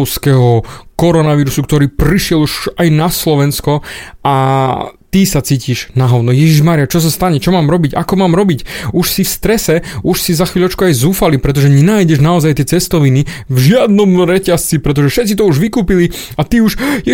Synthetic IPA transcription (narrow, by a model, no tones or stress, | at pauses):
skɛɦɔkɔɾɔnaʋiːɾusukt̪ɔɾiːpɾiʃɪɛluʃajnaslɔʋɛnskɔa | t̪isat͡siːciʒnaɦɔʊnɔjɛʒiʒmaːɾijat͡ʃɔs̬ast̪aɲɛt͡ʃɔmaːmɾɔbiɟa̰kɔmaːmɾɔbicuʃsifst̪ɾɛsɛuʃsizaxʋiːʎɔt͡ʃkuajzuːfalipɾɛt̪̬ɔʒɛɲɛnaːjɟɛʒnaɔzajt̪ɪɛt͡sɛst̪ɔʋinivʒɪad̪nɔmɾɛcast͡sipɾɛt̪ɔʒɛfʃɛt̪t͡sit̪ɔuʒʋikuːpili | at̪iuʃjɛ